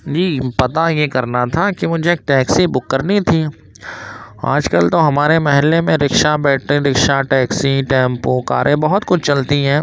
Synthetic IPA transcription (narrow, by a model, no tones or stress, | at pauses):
d͡ʒiːpɐt̪ajekɐɾnat̪ʰakimʊd͡ʒʱeeːk̚ʈɛːksibʊkːəɾnit̪ʰiː | a̰ːd͡ʒkəlt̪oɦɐmaːɾemɐɦɪlːemẽɾɪkʃabɛːʈɾĩɾɪkʃaʈɛːksiʈɛːmpoka̰ːɾʔẽbɐɦʊt̪kʊt͡ʃʰt͡ʃɐlt̪iɦɛ̃ː